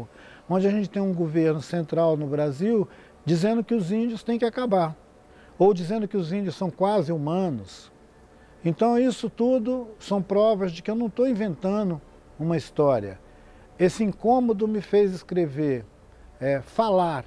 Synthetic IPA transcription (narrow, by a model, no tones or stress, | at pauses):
õnd͡ʒɪaʒẽnt͡ʃɪ̥t̪ẽj̃ũɡoveɾnʊsẽnt̪ɾawnʊbɾaziw | d͡ʒizẽnd̪ʊkɪʊzĩd͡ʒʊst̪ẽj̃kɪakabaɾ | owd͡ʒizẽnd̪ʊkɪʊzĩd͡ʒʊsːɐ̃w̃kwazɪumɐ̃nʊs | ẽnt̪ɐ̃w̃isʊt̪ud̪ʊsɐ̃w̃pɾɔvɐzd͡ʒɪkɪewnɐ̃w̃t̪owĩvẽnt̪ɐ̃d̪ʊ | ũmɐist̪ɔɾiɐ̰ | esɪĩŋkõmod̪ʊmɪfejzɪskɾeveɾ | ɛfalaɾ